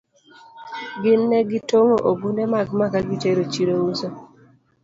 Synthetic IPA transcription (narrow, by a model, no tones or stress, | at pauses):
ɡɪnːɛɡɪtoŋoʔoɡunɛmaɡmakaɡɪt͡ʃeɾot͡ʃiɾouso